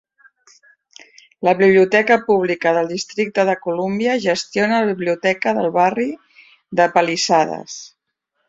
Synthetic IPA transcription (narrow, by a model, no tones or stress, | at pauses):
ləβiβ̞liut̪ɛkəpuβ̞likəðəlˠd̪ist̪ɾik̚t̪əðəkulumbiəʒəst̪ionələβiβliut̪ɛkəðəlˠβari | ðəpəlisaðə̰s